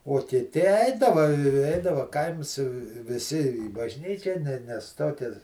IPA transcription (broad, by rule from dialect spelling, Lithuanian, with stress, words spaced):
uɔ kʲɪˈtʲɪ ˈɛɪdɐʋɐ ɪ ˈɛɪdɐʋɐ ˈkɐɪms ʋʲɪˈsʲɪ iː bɐʒʲˈnʲiːt͡ʃʲæː nʲɛ nʲɛs ˈtoːkʲɛs